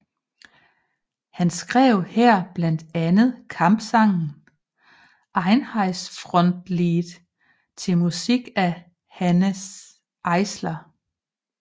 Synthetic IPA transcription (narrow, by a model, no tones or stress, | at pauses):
hænsɡ̥ʁɛ̰ʊ̰hɛɐ̰b̥læn̰d̥ænð̩ˠkʰɑ̈mb̥sɑ̈ŋ̰n̩ | ʔɑ̈ɪnhɑ̈ɪsfʁɔ̽n̰d̥liːðˠ | t͡sʰe̝lmusiɡ̥æ | hænəs | ʔɑ̈ɪslɐ